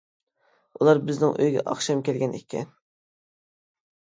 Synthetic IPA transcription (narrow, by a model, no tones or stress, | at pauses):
ulˠɑɾbɪznɪŋʔø̰jɡʲɛ̰ʔɑ̰χʃɑmkʲʰɛlɡʲɛnʔḛkʲʰɛ̰n